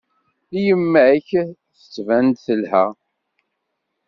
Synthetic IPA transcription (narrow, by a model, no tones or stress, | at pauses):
ijəmːæʕəçθə̥t͡sːvænd̪θəlhæ̰